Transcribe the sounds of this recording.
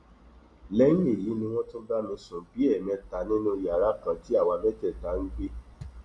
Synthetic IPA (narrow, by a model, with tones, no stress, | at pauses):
lɛ˦j̃ĩ˦e˦˨ji˨˦nĩ˧w̃ɔ̃˦tõ˦ba˦mĩ˧sũ˨bi˨˦ɛ˦˨mɛ̃˧ta˨˦nĩ˦nũ˦˨ja˨ɾa˦kã˧ti˦a˦˨wa˧bɛ˦tɛ˦˨ta˨˦ŋ̩˦ɡ͡be˦